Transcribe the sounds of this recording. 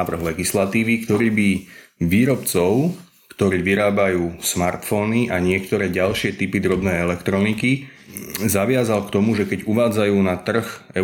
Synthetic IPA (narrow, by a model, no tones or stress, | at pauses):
ʋr̩ɦlɛɡislat̪iːʋikt̪ɔɾiːbiʋiːɾɔpt͡sɔʊ | kt̪ɔɾiːʋiɾaːbajuːsmaɾt̪fɔːniʔaɲɪɛkt̪ɔɾɛːɟalʃɪɛt̪ipid̪ɾɔbnɛːɛlɛkt̪ɾɔniki | zaʋɪazalkt̪ɔmuʒɛkɛɟuʋaːd͡zajuːnat̪r̩xɛ